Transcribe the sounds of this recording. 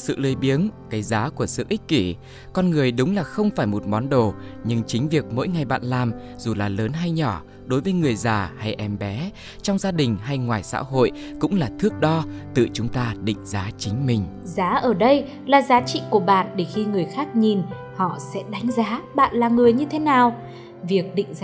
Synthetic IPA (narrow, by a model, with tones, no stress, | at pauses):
sɨ̰˧˨ləː˨˧jɓi˨˦ənkaː˨˦jzaː˨˦ku˧˩əsɨ̰˧˨ʔi˦˥k̚ki˧˩ | kɔ˧nŋɨ˨˩əjɗʊ˨˦ŋ͡mlaː˨˩xə˧wŋ͡mfaː˧˩jmo˨˩t̚mɔ˨˦nɗo˨˩ɲɨ˧ŋt͡ɕï˨˦ŋ̟vi˨˩ək̚mo̰˧˥jŋa˨˩jɓa̰ː˧˨nlaː˨˩m | z̥u˨˩laː˨˩ləː˨˦nɦa˧jɲɔ˧˩ | ɗo˨˦jvəː˨˦jŋɨ˨˩əjzaː˨˩ha˧jʔɛ˧mɓɛ˨˦ | t͡ɕɔ˧wŋ͡mzaː˧ɗï˨˩ŋ̟ɦa˧jŋwaː˨˩jsa̰ː˧˥ɦo̰˧˨j | kʊ̰˧˥ŋ͡mlaː˨˩t̪ʰɨ˦˥ək̚ɗɔ˧t̪ɨ̰˧˨t͡ɕʊ˨˦ŋ͡mt̪aː˧ɗḭ̈˧˨ŋ̟zaː˨˦t͡ɕï˨˦ŋ̟mï˧˩ŋ̟ | zaː˨˦ʔəː˧˩ɗə˧j | laː˨˩zaː˨˦t͡ɕḭ˧˨ku˧˩əɓa̰ː˧˨nɗe˧˩xi˧ŋɨ˨˩əjxaː˦˥k̚ɲi˨˩n | hɔ̰˧˨sɛ̰˧˥ɗa˨˦jŋ̟zaː˨˦ɓa̰ː˧˨nlaː˨˩ŋɨ˨˩əjɲɨ˧t̪ʰe˨˦naː˨˩w | vi˨˩ək̚ɗḭ̈˧˨ŋ̟z